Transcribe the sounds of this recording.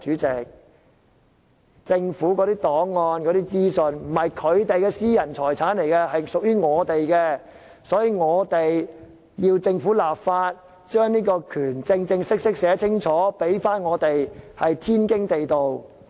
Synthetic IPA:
t͡ʃyː˨˥t͡sɪ˨k̚ | t͡sɪ˧ŋfuː˨˥kɔː˨˥ɾiː˥t̪ɔː˨˥ŋːɔː˧nkɔː˨˥t̪iː˥t͡siː˥sɵ˨˧nm̩˨˩hɐ˨jkʰɵ˨˧ɥt̪e˨jkɛ˧siː˥jɐ˨˩nt͡sʰɔː˨˩jt͡sʰaː˨˥nle˨˩jkɛ˧hɐ˨jsʊ˨k̚jyː˥ŋɔː˨˧t̪e˨jkɛ˧ | sɔː˨˥jiː˨˧ŋɔː˨˧t̪e˨j | jiː˧wt͡sɪ˧ŋfuː˨˥laː˨p̚faː˧t̚ | t͡ʃœː˥ŋniː˥kɔː˧kʰyː˨˩nt͡sɪ˧ŋt͡sɪ˧ŋsɪ˥k̚sɪ˥k̚sɛː˨˥t͡sʰɪ˥ŋt͡ʃʰɔː˨˥pe˨˥jfaː˥nŋɔː˨˧t̪e˨jhɐ˨jt̪ʰiː˥nkɪ˥ŋt̪e˨jt̪o˨w

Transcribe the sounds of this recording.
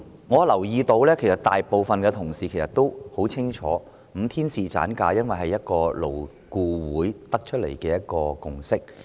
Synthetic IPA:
ŋɔː˨˧lɐ˨˩wjiː˧t̪o˧wlɛː˥kʰe˨˩jsɐ˨t̚t̪aː˨jpo˨wfɐ˨nkɛː˧t̪ʰʊ˨˩ŋsiː˨kʰe˨˩sɐ˨t̪̚o˥who˨˥wt͡sʰɪ˥ŋt͡ʃʰɔ̰ː˨˥ | m̩˨˧˥t̪ʰiː˥nsiː˨t͡sa̰ː˨˥nkaː˧jɐ˥nwɐ˨jɦɐ˨jːɐ˥t̚kɔː˧lo˨˩w | kuː˨˧wuː˨˥jt̪ɐ˥k̚t͡ʃʰɵ˥t̚le˨˩jkɛː˧jɐ˥t̚kɔː˧kʊ˨ŋsɪ˥k̚

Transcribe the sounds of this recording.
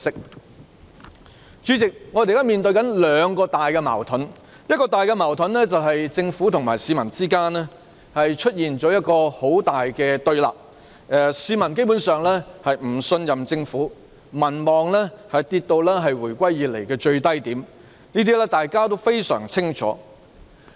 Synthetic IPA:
sɪ˥k̚ | t͡ʃyː˨˧˥t͡sɪ˨k̚ŋɔː˨˧t̪e˨jkɐ˥miː˨˩nt̪ɵ˧ɥkɐ˨˥nlœː˨˧ŋkɔː˧t̪aː˨jkɛ˧ma̰ː˨˩wt̪ʰɵ˨˥n | jɐ˥t̚kɔː˧t̪aː˨˩jkɛ˧maː˨˩wt̪ʰɵ˨˥nlɛː˥t͡sɐ˨wɦɐ˨jt͡sɪ˧ŋfuː˨˥t̪ʰʊ˨˩ŋmaː˨˩jsiː˨˧mɐ˨˩nt͡siː˥kaː˥nɛ˥ | hɐ˨jt͡ʃʰɵ˥t̚jiː˨nt͡sɔː˨˥jɐ˥t̚kɔː˧ho˨˥wt̪aː˨jkɛː˧t̪ɵ˧ɥla̰ː˨p̚ː | siː˨˧mɐ˨˩nke˥jpu˨˥nsœː˨ŋlɛː˥hɐ˨jm̩˨˩sɵ˧njɐ˨mt͡sɪ˧ŋfuː˨˥ | mɐ˨˩nmɔː˨ŋlɛː˥hɐ˨jt̪iː˧t̚t̪o˧wlɛː˥ɦɐ˨jwuː˨˩jkʷɐ˥jːiː˨t̚le˨˩jkɛː˧t͡ʃɵ˧ɥt̪ɐ˥jt̪iː˨˥m | niː˥t̪̬iː˥lɛː˥t̪aː˨jkaː˥t̪o˥wfe˥jsœ̰ː˨˩ŋt͡sʰɪ˥ŋt͡ʃʰɔ̰ː˨˥

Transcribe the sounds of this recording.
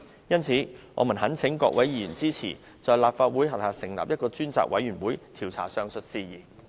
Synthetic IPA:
jɐ˥nt͡sʰiː˨˥ŋɔ̰ː˨˧mu˨˩nɦɐ˨˥nt͡sʰɪ˨˥ŋkɔ̰ː˧k̚wʔɐ˨˥jjiː˨˧jyː˨˩nt͡siː˥t͡sʰḭː˨˩ | t͡sɔː˨˧jlaː˨p̚faː˧t̚wuː˨˥jɦɐ˨p̚haː˨˧sɪ˨˩ŋla̰ː˨p̚jɐ˥t̚kɔː˧t͡ʃyː˥nt͡sa̰ː˨˧k̚wɐ˨˥jɥyː˨˩nwuː˨˥jt̪ʰiː˨˩wt͡sʰa̰ː˨˩sœː˧ŋsɵ˨t̚siː˧jiː˨

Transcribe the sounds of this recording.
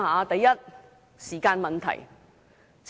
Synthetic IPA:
haː˨˥t̪ɐ˨jːɐ˥t̚ | siː˨˩kaː˧nmɐ˨nt̪ʰɐ̰˨˩j | t͡s

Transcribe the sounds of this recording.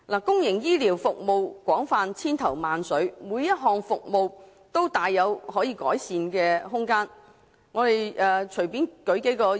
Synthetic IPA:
laː˨˩kʊ˥ŋjɪ˨˩ŋjiː˥liː˨˩wfʊ˨k̚mo˨wkʷɔː˨˥ŋfaː˨nt͡sʰiː˥nt̪ʰɐ˨˩wmaː˨nsɵ˨˥ɥmuː˨˧jɐ˥t̚ɦɔː˨ŋfʊ˨k̚mo˨w | t̪o˥wt̪aː˨jːɐ˨˧whɔː˨˥jiː˨˧kɔ̰ː˨˥jsiː˨˧nkɛː˧ɦʊ˥ŋkaː˥n | ŋɔː˨˧t̪e˨jʔɛː˨t͡ʃʰɵ˨˩ɥpiː˨˥nkɵ˨˥ɥke˨˥jkɔː˧

